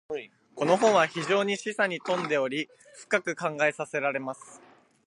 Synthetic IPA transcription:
ko̞no̞ɦõ̞ɰ̃βaçiʑo̞ːɲ̟iɕisaɲ̟it̪õ̞nd̪e̞o̞ɾʲi | ɸɯ̟̥kakɯ̟kãŋɡae̞sase̞ɾaɾe̞masɨ̥

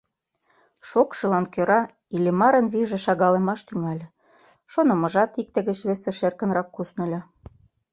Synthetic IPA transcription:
ʃokʃɤ̆lɑnkøɾɑ | ilʲemɑɾə̆nβiʒĕʃɑɣɑlĕmɑʃt̪yŋɑlʲ | ʃonɤ̆mɤ̆ʒɑt̪ik̚t̪ə̆ɣə̆t͡ɕβesĕʃerkə̆nɾɑkːusnɤ̆lʲɤ

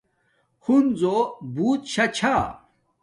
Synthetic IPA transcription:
hunzobuːt̪ɕɐt͡ɕʰa

